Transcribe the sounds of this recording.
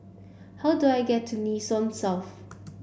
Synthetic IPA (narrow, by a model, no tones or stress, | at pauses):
haʊduajɡɛtʰːunisɔ̃msɛlf